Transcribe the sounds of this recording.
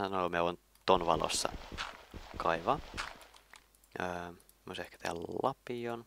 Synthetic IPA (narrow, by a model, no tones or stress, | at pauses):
ɑnoomieon | t̪onʋɑ̰lo̰sːɑ̰ | kʰɑiʋɑ | øː | mo̰sehkæ̥t̪ḛhælɑpion